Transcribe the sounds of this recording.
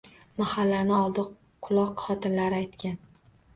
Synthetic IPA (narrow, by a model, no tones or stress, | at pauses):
mahalːanɪɒlˠd̪ɪ | qʰʊlˠɒqχɒt̪ʰɪnlaɾɪajt̪kʲan